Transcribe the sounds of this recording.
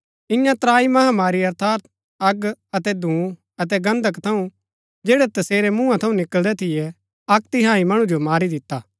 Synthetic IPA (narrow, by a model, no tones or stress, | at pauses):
ɪ̃jãt̪ɾaːimɐɦamaːɾiɐɾt̪ʰaːɾt̪̚ | ɐɡɐt̪ɛd̪ʱũː | ɐt̪̬ɛɡɐ̃nd̪ʱəkt̪ʰɐũ | d͡ʒɛːɽɛt̪ɐseːɾɛmũːãt̪ʰɐũnɪkəld̪ɛt̪ʰɪjɛ | ɐkt̪ɪɦãːimɐɽ̃ũd͡ʒomaːɾid̪ɪt̪ːaː